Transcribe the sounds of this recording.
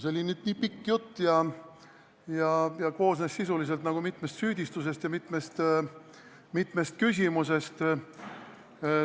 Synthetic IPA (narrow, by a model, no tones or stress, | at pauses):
seo̞lʲinyːd̪̥niːpikːjut̪ːjɑ | jɑjɑko̞ːsnesːisulis̬e̞lt̪nɑɡ̥umit̪ˑmest̪syːd̪̥ʲist̪us̬e̞st̪jɑmit̪ˑmest̪ | mit̪me̞st̪̚kys̬ʲimuse̞st̪